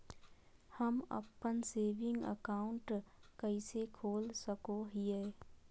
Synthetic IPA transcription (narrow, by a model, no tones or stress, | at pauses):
həmə̰pːənseːʋɪ̃ŋɡə̰kaːʊɳʈkəisekʰoːlsəkoɦiɛː